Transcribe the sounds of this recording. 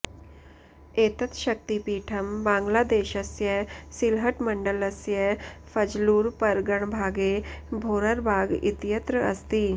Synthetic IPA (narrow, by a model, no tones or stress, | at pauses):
eːt̪ət̪ʃɐk̚t̪ipiːʈʰɐmbãːŋɡlaːd̪eːʃɐsjəsɪlɦəʈmɐ̃ɳɖəlɐsjəfɐd͡ʒluːɾpɐɾɡəɽ̃bʱaːɡeːbʱoːɾəɾbʱaːɡɪ̰t̪ijət̪ɾəɐ̰st̪iː